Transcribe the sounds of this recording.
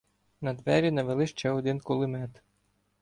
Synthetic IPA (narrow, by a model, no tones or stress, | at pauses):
nɐd̪ʋɛɾʲinɐʋelˠɪʃt͡ʃɛɔd̪ɪnkɔlˠɪmɛt̪